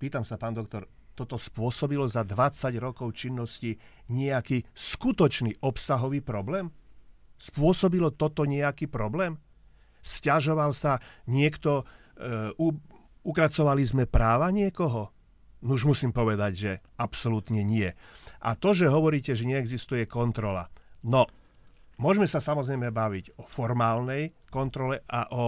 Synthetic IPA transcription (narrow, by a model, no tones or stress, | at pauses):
piːt̪amsapaːnd̪ɔk̚t̪ɔɾ | t̪ɔt̪ɔspʊɔsɔbilɔzad̪ʋat͡saɟɾɔkɔʊt͡ʃinːɔsci | ɲɛakiːskut̪ɔt͡ʃniʔɔpsaɦɔʋiːpɾɔblɛːm | spʊɔsɔbilɔt̪ɔt̪ɔɲɛakipɾɔblɛːm | scaʒɔʋalsaɲɪɛkt̪ɔ | u | ukɾat͡sɔʋalizmɛpɾaːʋaɲɪɛkɔɦɔ | nuʒmusiːmpɔʋɛd̪aɟʒɛapsɔlut̪ɲɛɲɪɛʔa̰t̪ɔʒɛɦɔʋɔɾiːcɛʒɛɲɛːɡzist̪ujɛkɔnt̪ɾɔla̰nɔ | mʊɔʒmɛsasamɔzɾɛjmɛbaʋiɟɔfɔɾmaːlnɛj | kɔnt̪ɾɔlɛʔaʔɔ